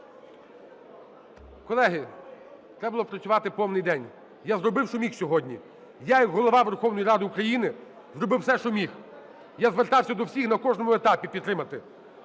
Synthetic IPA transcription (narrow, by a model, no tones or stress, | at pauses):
kɔlˠɛɦɪ | t̪ɾɛbɐlˠɔpɾɐsʲʊʋɑt̪ɪpɔwnɪjd̪ɛnʲ | jazɾɔbɪwʃt͡ʃɔmʲixsʲɔɦɔdʲnʲḭ | jajkɦɔlˠɔʋɑʋerxɔwnɔjiɾɑd̪ɪukɾɐjinɪ | zɾɔbɪwsɛʃt͡ʃɔmʲix | jazʋert̪ɑwsʲɐd̪ɔwsʲixnɐkɔʒnɔmʊet̪ɑpʲipʲidt̪ːɾɪmɐt̪ɪ